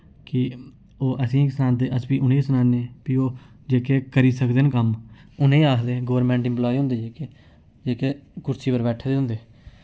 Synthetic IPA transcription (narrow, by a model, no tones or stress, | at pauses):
kɪ | oːʔəsĩːksənãːnd̪eːʔəsbiːʊnẽːsənaːneːpiːoː | d͡ʒeːkeːkəɾiːsəkd̪enkəmʊnẽːaːkʰd̪eːɡəʋɾmẽːɳʈɪ̃mplɔːiɦõːnd̪eːd͡ʒeːkeː | d͡ʒeːkeːkʊɾsʰiːpəɾbɛːʈʰeːd̪eːɦʊ̃nd̪eː